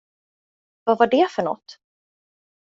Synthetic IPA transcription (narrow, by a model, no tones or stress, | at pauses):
vavaɖɛfœɳɔ̰t̪ː